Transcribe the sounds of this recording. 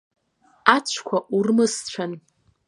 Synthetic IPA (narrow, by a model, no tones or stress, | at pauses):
at͡ɕʷʰkʷʰaʔurmɨst͡ɕʷʰan